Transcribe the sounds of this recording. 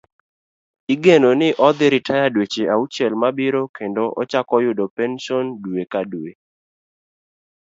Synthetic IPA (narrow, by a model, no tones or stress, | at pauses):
iɡenonɪʔɔd̪ɪɾɪtʰajadwet͡ʃeaut͡ʃɛlmabɪɾokendoʔɔ̰t͡ʃakɔjʊdopɛnʃɔndwekadue